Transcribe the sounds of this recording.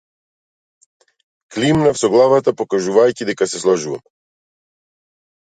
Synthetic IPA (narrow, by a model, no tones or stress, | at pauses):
klimnafsɔɡlˠavat̪apɔkaʒuvajcid̪ɛkasɛslˠɔʒuva̰m